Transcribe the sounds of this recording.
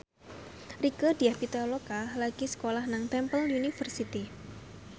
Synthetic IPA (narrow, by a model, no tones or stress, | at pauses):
rikəd̥iahpit̪alokalaɡ̥isə̥kolahnaŋt̪ɛmpəljunifərsit̪i